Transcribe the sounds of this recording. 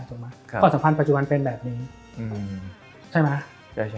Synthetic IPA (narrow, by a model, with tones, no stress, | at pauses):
t̪o˨˩k̚ma˦˥˧kɔ˥˩sa˨˦mpʰa˧npa˨˩t͡ɕu˨˩ba˧npe˧nbɛː˨˩p̚niː˧ | ʔɯː˧ | t͡ɕʰa˥˩jma˦˥ | t͡ɕʰa˥˩˥